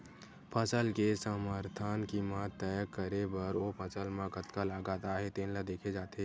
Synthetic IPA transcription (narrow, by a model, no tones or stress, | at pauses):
pʰəsəlkesəməɾt̪ʰaːnkiːmat̪ːəjəkːəɾebɐɾopʰəsəlmãkət̪kalaːɡaːt̪aɦɛt̪eːnlad̪eːkʰed͡ʒaːt̪e